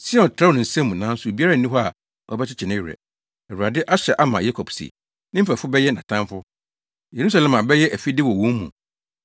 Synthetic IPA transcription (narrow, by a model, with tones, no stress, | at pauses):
sɪ˦ɛ˦ɔ˨tʰɾa˦˨ʊ̃˨n̩˨sɛ̃˦mũ˨nã˨˦n̩˦sʊ˨e˨bi˦a˦ɾa˦˨nĩ˦ɦɔ˦a˨ | ʔɔ̰˦bɛ˦t͡ɕʰɪ˦t͡ɕʰɪ˨nɪ̃˦˨ɾɛ̰˨ | ɛ˨ɾu˨a˨dɪ˦ʔa˦ɕɛ˨ʔa˦mã˨ja˦kʰɔ˨bsḭ˨ | nɪ̃˦m̩˦fɛ˨fʊ˦bɛ˦jɛ˦nã˨tʰã˦mfʊ˦ | je˨ɾu˦s̬a˨lɛ̃˨mã˨bɛ˦jɛ˦ʔæ˨fi˦dɪ˦wɔ˨wɔ̃˦mmːṵ̃˨